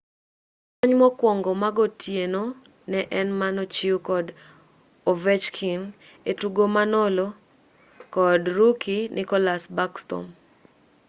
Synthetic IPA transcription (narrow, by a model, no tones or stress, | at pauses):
kɔɲmɔkwɔŋɡɔmaɡotʰjeno | nɛʔɛnmanot͡ʃiukɔd | ovɛt͡ʃkʰin | etuɡomanɔlo | kɔdɾukinʔɪkɔlasbakstɔ̰m